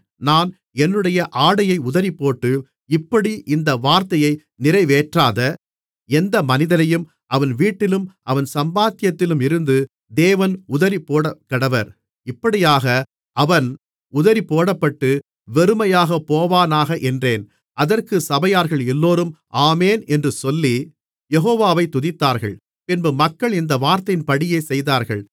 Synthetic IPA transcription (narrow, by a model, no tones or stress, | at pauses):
naːn | ɛnːɯɽɐjɐʔaːɽɐjɐɪʊðɐɾipːoːʈːɯ | ɪpːɐɽiʔɪnd̪ɐʋaːɾt̪ɐjɐɪ | nɪrɐɪʋeːʈraːðɐ | ɛnd̪ɐmɐnɪðɐnɐjɯm | ʔɐʋɐnʋiːʈːɪlɯmʔɐʋɐnsɐmbaːt̪ɪjɐt̪ːɪlɯmɪɾɯnd̪ɯ | d̪eːʋɐnʊðɐɾipoːɽɐkːɐɽɐʋɐɾ | ɪpːɐɽɪjaːɣɐ | ʔɐʋɐn | ʊðɐɾipoːɽɐpːɐʈːɯ | ʋɛɾɯmɐjaːɣɐpːoːʋaːnaːɣɐʔɛndreːn | ʔɐðɐrkɯsɐbɐjaːɾɣɐɭɛlːoːɾɯmʔaːmeːnɛndrɯsɔlːi | jɛɣoːʋaːʋɐɪt̪ːʊðɪt̪ːaːɾɣɐ̰ɭ | pɪnbɐmɐkːɐɭɪnd̪ɐʋaːɾt̪ɐjɪnpɐɽɪjeːsɛjðaːɾɣɐ̰ɭ